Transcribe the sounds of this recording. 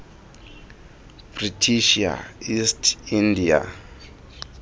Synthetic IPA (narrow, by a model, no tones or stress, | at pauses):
b̥ritʰiʃia̰istʰindia̰